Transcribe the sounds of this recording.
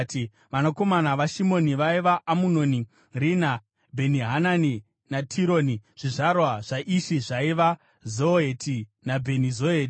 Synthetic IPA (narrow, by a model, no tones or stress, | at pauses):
ti | ʋanako̞manaʋaʃimo̞niʋaiʋaːmunoni | rina | bʱe̞niɦanani | natʰiɾo̞ːniʐ̥iʐarwaʐ̥aʔiʃiʐaiʋa | zoetʰinabʱe̞nizoeːti